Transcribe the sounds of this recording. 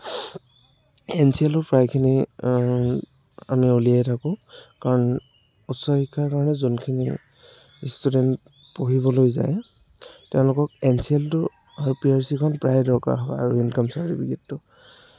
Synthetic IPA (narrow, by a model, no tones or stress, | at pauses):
ɛnsiɛltʊpɹajkʰini | a̰miolijajtʰakʊ̃kaɹɔn | utsɔhikʰːaɹkaɹɔnɛzonkʰini | istudɛnt | poɦibɔlojza̰j | tɛʊ̃lʊkɔkɛnsiɛltʊ | aɹupiaɹsikʰɔnpɹajdɔka̰ɦɔba̰a̰ɹuinkɔmsaɹibiɡitːʊ